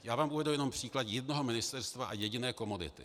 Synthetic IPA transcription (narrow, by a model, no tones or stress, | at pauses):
jaːvaːmuvɛdujɛno̞mpr̝̥iːklat̪jɛdnoɦomɪnɪst̪ɛɾst̪vaʔajɛɟɪnɛːko̞modɪ̰t̪ɪ̰